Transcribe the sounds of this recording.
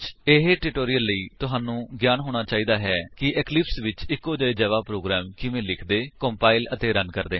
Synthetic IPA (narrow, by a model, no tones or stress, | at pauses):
t͡ʃeɦeːʈɪʈoːɾijəlːəiːt̪ʊɦaːnũːɡjaːnɦoːɽ̃aːt͡ʃaːiːd̪aːɦɛːkɪʔɛːklɪpsʋɪt͡ʃɪkːoːd͡ʒəeːd͡ʒɛːʋaːpɾoːɡɾɛːmkɪʋẽːlɪkʰd̪eːkoːmpaːɪlət̪eːɾənkəɾd̪eː